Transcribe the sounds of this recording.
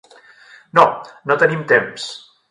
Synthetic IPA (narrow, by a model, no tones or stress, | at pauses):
nonot̪ənimt̪ems